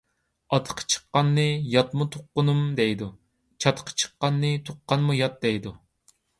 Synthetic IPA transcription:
ɑt̪ʰə̥qʰə̥t͡ʃʰə̥qːɑnːɨjɑt̪mut̪ʰoqːʊnumd̪ɛjd̪u | t͡ʃʰɑt̪ʰqʰə̥t͡ʃʰə̥qːɑnːɨt̪ʰoqːɑnmujɑt̪̚d̪ɛjd̪u

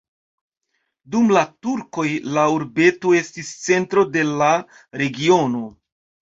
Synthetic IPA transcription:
dumlatuɾko̞jlauɾbe̞toe̞stist͡se̞ntɾo̞de̞la | ɾe̞ɡio̞no̞

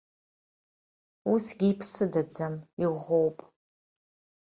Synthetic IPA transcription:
usɡʲiːpʰsɨdad͡zamiʁʷowpʼ

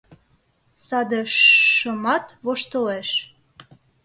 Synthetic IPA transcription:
sɑd̪eʃːəmɑt̪βoʃt̪əleʃ

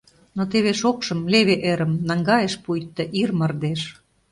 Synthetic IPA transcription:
not̪eβeʃokʃɤ̆mleβeʔeɾə̆mnɑŋɡɑjeʃpujt̪ːɤ̆ʔirmə̆rd̪eʃ

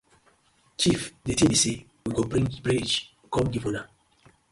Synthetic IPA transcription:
t͡ʃifdetibisi | wiɡobɹĩŋbɹid͡ʒ | kɔmdivona

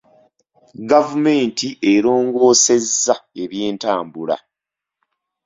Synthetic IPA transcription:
ɡavume̞ːntiʔeɾo̞ːŋɡo̞ːse̞zːae̞βjeːntaːmbula̰

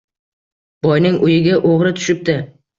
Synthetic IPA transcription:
b̥ɒjnɪŋʊjɪɡʲaʔoʁɾɪt̪ʰʊ̥ʃɪp̚d̪ɪ

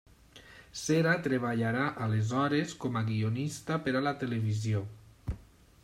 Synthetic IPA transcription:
seɾat̪ɾeβ̞aʎaɾaʔalezɔɾeskɔmaɣionist̪apeɾalat̪eleβizjo

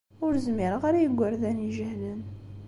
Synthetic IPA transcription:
ʊɾzmɪɾəʁaɾajəɡʷːəɾðæniʒəhlən

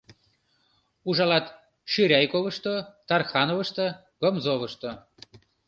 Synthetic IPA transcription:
uʒɑlɑt̪ | ʃyɾʲɑjkoβəʃt̪ot̪ɑrxɑnovəʃt̪ə̆ | ɡomzoβə̆ʃt̪o

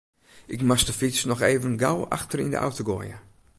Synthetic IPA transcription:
ʔɪkmastəfɪsnɔxeːvənɡawa̰xtərḭndə̰ʔa̰wtoɡoːjə̰

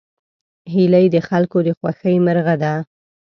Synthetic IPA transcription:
ɦiləjd̪əxalkod̪əxwaxəjməɾɣad̪a

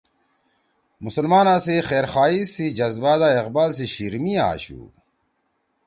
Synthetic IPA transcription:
musɐlmaːnãːsixeːɾxaːisid͡ʑɐzbaːd̪aːeqbaːls̬iɕiɾmia̰ːɕṵː

